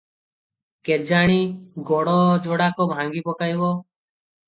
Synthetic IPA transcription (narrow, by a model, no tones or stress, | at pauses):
ked͡ʒaɽ̃iɡɔɽɔd͡ʒoɽakɔbʱãŋɡipɔkajbɔ